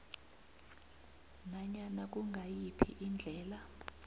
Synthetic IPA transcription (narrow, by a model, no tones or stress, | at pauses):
naɲanak̬uŋɡʱajipʰiʔind͡ɮʱɛːla